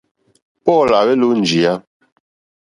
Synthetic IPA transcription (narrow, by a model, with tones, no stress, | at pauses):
pɔ˦˨la˨bɛ˦lu˦n̩˨d͡ʒi˨a˦